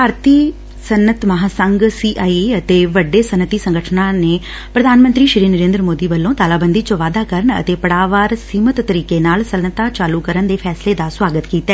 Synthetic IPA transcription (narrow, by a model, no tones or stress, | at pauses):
paːɾt̪iː | sənːət̪məɦaːsəŋɡsiːʔaːiət̪eːʋəɖːeːsənət̪iːsə̃ŋɡəʈʰnaːneː | pɾəd̪ʱaːnmənt̪ɾiːʃɾiːnəɾẽːnd̪ɾəmoːd̪iːʋəlːõːt̪aːlaːbənd̪iːt͡ʃõʋaːd̪aːkəɾəɳə̰t̪eːpəɽaːʋaːɾsiːmət̪ːəɾiːkeːnaːlsənət̪aːt͡ʃaːluːkəɾənd̪eːpʰɛːsleːd̪aːswaːɡət̪kiːt̪aɛː